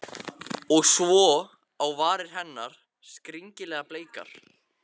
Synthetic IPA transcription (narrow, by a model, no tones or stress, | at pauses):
ɔɣsvɔ | awvaːɾɪɾ̥ɦɛnːaɾ̥ | skɾiɲcɪlɛːɣapleːjka̰ɾ̥